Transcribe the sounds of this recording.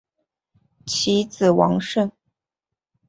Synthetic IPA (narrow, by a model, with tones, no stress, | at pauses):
t͡ɕʰi˧˥t͡sɹ̩˨˩wɑ˧˥ŋʂə˥˩ŋ